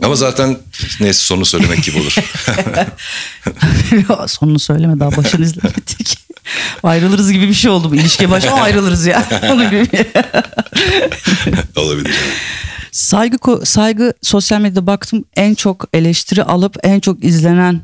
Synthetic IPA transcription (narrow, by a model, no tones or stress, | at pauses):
amazaːt̪ʰæn | nejsi̥so̞nunusølʲemɛɟibiolˠuɾ | aso̞nunusø̞jlʲemɛd̪aːbaʃɯnɯizlʲeit̪ʰecʰ | ajɾɯlˠɯɾɯzɟibibiʃejo̞lˠd̪umilʲiʃcɛbaʃaajɾɯlˠɯɾɯzjaːonuɟiibij | o̰lˠabilʲḭɾ | sajɡɯkʰosajɡɯso̞sjalʲme̞d̪jad̪ɛbak̚t̪ʰɯmænt͡ʃʰo̞ke̞lʲɛʃt̪ʰiɾiʔalˠɯpænt͡ʃʰo̞kizlʲe̞næn